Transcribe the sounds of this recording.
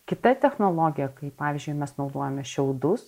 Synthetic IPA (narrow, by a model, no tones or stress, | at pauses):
kʲɪt̪ɐt̪ʲɛxnoːlˠoːɡʲɪjɛkɐɪpɑːʋʲiːzʲd͡ʒʲʊɪmʲɛsnɒʊd̪oɔjɛmʲɛʃʲɛʊd̪ʊs